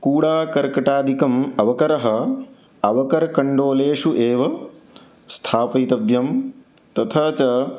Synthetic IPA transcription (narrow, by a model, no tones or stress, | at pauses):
kuːɽaːkɐɾkɐʈaːd̪ikɐmɐʋɐkɐɾɐɦɐ | ɐʋɐkɐɾɐkɐɳɖoːleːʂuʔeːʋɐ | st̪ʰaːpɐjt̪ɐbjɐm | t̪ɐt̪ʰɐːt͡ʃɐ